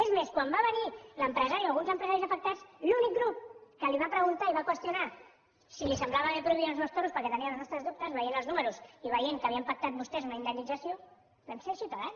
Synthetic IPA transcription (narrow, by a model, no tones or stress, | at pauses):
ezmeskwambaβəniləmpɾəzaɾialˠɣunzəmpɾəzaɾizafək̚t̪at͡slunik̚ɡɾup̚kəliβapɾəɣunt̪aiβakwəst̪juna | silisəmblaβəβepɾuiβionzməst̪oɾuspəɾkɛt̪əniəlznɔst̪ɾəzðup̚t̪əzβəjenəlˠznuməɾusiβ̞əjeŋkəβiəmpak̚t̪at̪̚bust̪ɛzunaind̪ənːid͡zəsjo | bɛmseɾsiut̪aðan